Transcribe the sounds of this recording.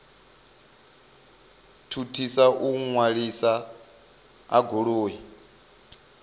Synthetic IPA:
tʰutʰisaʔuŋwaɺisa | a̰ɡʱoɺoːɦɛ

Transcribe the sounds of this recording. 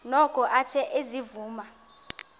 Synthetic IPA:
nɔkʼɔʔat͡ʃʰɛʔezivuːma

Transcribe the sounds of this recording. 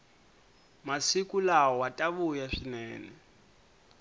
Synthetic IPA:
masikʼulaɔwatʼaβujaʂinɛːnɛ

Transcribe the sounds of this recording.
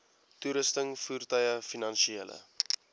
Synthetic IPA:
tuɾəstəŋfuːrtœjəfinɐnʃieːlə̰

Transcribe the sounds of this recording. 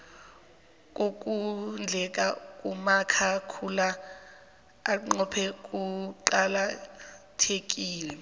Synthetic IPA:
k̬ʼok̬ʼund͡ɮʱɛk̬ʼakʼumakʰakʰula | ŋ͡ǃɔpʰɛk̬ʼuǃalatʰek̬ʼiːlɛ

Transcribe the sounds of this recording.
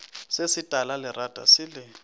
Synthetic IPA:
sesɪtʼalalɪrad̥ʱʼa̰sɪlɪ

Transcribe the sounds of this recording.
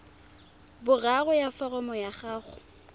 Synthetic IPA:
bʊraɣʊjafarɔmɔjaχaːχʊ

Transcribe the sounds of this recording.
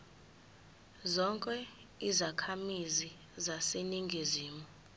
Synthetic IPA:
zɔŋkʼɛ | izakʰamizi | zaseniŋɡʱiziːmu

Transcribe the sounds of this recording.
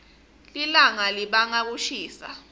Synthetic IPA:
lilaŋaliɓaŋak̬uʃiːsa̰

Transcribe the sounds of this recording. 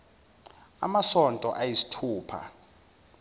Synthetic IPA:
a̰masɔntʼɔʔajisi̥tʰuːpʰa̰

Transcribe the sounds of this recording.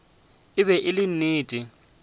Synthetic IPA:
ɪβɛʔɪlɪn̩niːtʼi

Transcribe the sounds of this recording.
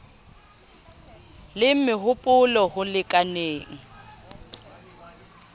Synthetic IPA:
lɪm̩mɪɦʊpʼʊlɔhʊlɪkʼaneːŋ̩

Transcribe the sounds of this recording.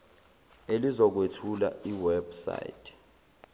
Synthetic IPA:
elizɔk̬wetʰula̰iwɛbsa̰j̰tʰʼ

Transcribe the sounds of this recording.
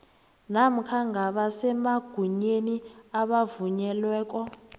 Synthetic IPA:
nam̩kʰaŋɡʱaɓasɛmaɡ̥ʱuɲeniaɓavuɲɛlwɛːk̬ʼɔ

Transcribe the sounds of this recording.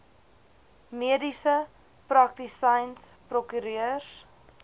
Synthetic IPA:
miədisə | prɐk̚tisɐjnsprɔkyɾøərs

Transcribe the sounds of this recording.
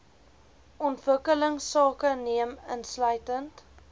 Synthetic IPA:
ʔɔntvəkələŋsɑːkəniəmənslœɥtənt

